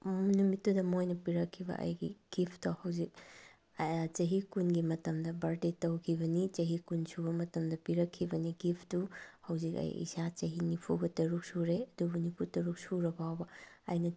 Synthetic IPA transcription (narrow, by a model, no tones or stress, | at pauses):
munumitːudɐmojnɐpiɾɐkʰːibɐ̰ʔɐ̰jɡiɡ̥ipʰtɐhɐwzik̚ | t͡ʃɐɦikunɡimɐtɐmdɐbɐɾdetɐwkʰibɐnit͡ʃɐɦikunsubɐmɐtɐmdɐpiɾɐkʰːibɐniɡipʰtuhɐwzikɐ̰jḭsat͡ʃɐɦinipʰuɡɐtɐɾuk̚suɾeɐdubunipʰutɐɾuk̚suɾɐbawbɐɐ̰jnɐ